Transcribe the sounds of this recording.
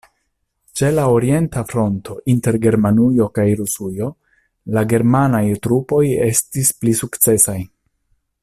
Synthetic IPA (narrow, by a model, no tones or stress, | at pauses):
t͡ʃe̞laoɾie̞ntafɾo̞ntʰo̞ʔinte̞ɾɡe̞ɾmanujo̞kajɾusujo̞ | laɡe̞ɾmanajtɾupo̞je̞stisplisukt͡se̞saj